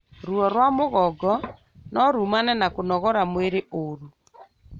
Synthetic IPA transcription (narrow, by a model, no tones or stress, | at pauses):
ɾuɔɾwamoɣɔɡɔ | nɔɾumanɛnakonɔɣɔɾamweɾeʔoɾu